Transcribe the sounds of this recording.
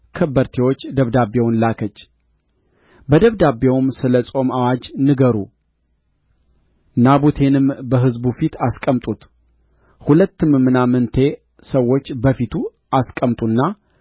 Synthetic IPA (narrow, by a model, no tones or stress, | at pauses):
kʰəbəɾt̪ʰewo̞t͡ʃːd̪əβd̪abewʊnlakʰət͡ʃː | bəd̪əβd̪abe̞wmsɨləsʼo̞mawad͡ʒnɨɡəɾu | nabut̪ʰe̞nɨmbəɦɨzbufit̪ʰaskʼəmt̪ʼut̪ | hulət̪ːɨmmːɨnamɨnt̪ʰe̞ | səwːo̞t͡ʃːbəfit̪ʰu | askʼəmt̪ʼunːa